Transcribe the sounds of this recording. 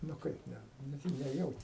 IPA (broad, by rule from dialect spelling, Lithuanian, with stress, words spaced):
nʊ ˈkɐɪp ˈnʲɛ nʲɛˈjɛʊtʲɪ